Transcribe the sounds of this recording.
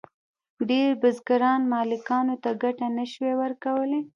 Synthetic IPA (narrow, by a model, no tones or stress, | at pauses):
ɖeɾbʊzɡaɾɑnmɑlɪkɑnot̪aɡaʈanaʃwewəɾkawəle